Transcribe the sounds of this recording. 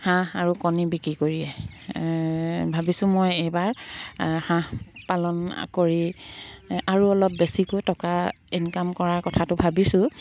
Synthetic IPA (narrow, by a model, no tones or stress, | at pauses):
hãaɹukɔnibikɹikoɹijɛ | bʱabisʊ̃mɔjejbaɹ | hãpalɔn̰koɹi | aɹuɔlɔp̚besikojtɔka | inkamkɔɹaɹkɔtʰatʊbʱabisʊ̃